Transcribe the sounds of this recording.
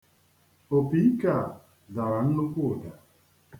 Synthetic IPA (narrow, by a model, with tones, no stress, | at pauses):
o˨pi˨˦i˦ka˨ | da˨ɾa˨n̩˦nu˦kʷu˦˨da˨